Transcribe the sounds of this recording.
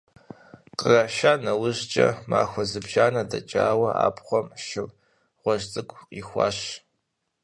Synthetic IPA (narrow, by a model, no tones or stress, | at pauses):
qəraʃaːnɐwʊʑt͡ʃʼɐ̰ma̰ːxʷɔzɨbʒaːnɐdɐt͡ʃʼaːwɐa̰ːpʰχʷɔmʃɪl | ʁʷɔʒt͡sʼɨkʷʼiːxʷɑ̰ːɕ